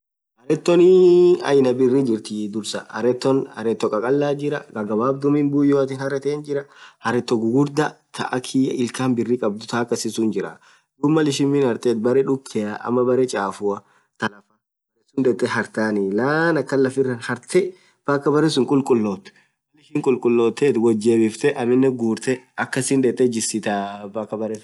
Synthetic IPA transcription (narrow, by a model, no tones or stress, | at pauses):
hɐɾɛt̪ːɔnɪɐ̰jnɐbɪrːid͡ʒɪɾt̪ɪd̪ʊɾsɐhɐ̰ɾɛt̪ːɔnhɐ̰ɾɛt̪ːɔkʼɐkʼɐlːaːd͡ʒɪɾɐ̰ɡɐɡɐbaːb̚d̪ʊmɪnbʊjːoɐt̪ɪnhɐɾɛt̪eːnd͡ʒɪɾɐhɐɾɛt̪ːɔɡʊɡʊɾd̪ɐt̪ʰɐ̰ʔɐkʰiɐɪlkaːnbɪrːikʼɐb̚d̪ʊt̪ʰaːkːɐsɪsʊnd͡ʒɪɾɐ̰ | d̪ʊmːɐlɪʃɪmːɪnhɐɾt̪eːt̪̚bɐɾɛᶑʊkʰːɛɐʔɐ̰mːɐbɐɾɛt͡ʃʼaːfʊɐ | t̪ɐlɐfaːkːɐbɐɾɛsʊnᶑ̪ɛt̪ːɛɦɐɾt̪aːnilaːnɐkːɐlːɐfɪrːɐnhɐɾt̪ʰɛ | faːkːɐbɐɾɛsʊŋkʼʊlkʼʊlːoːt̪ːɛ̥ | ɐlɪʃɪŋkʼʊlkʼʊlːoːt̪ːeːt̪wɐd͡ʒːeːbɪft̪ɛʔɐmɪnːɛɡuːɾt̪ɛɐkːɐsɪnd̪ɛt̪ːɛd͡ʒɪsɪt̪abakːɐbɐɾɛs